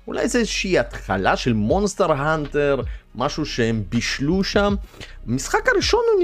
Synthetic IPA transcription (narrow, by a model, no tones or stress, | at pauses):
ulʔa̰jzezʃeiat̪χa̰laʃelmonst̪eʁɦant̪eʁmaʃuʃeembiʃluʃammisχakaʁiʃonu